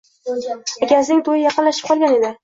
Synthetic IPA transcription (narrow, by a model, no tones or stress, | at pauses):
akʲaznɪŋt̪ʰojɪjɑqɨnlaʃɪ̥p̚qʰɒlˠɡʲane̞d̪ɪ